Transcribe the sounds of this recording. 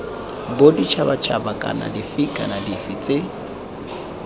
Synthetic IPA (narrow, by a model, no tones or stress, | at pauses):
bodit͡ʃʰabat͡ʃʰabakʼa̰na̰difɪkʼanadifɪt͡sʼe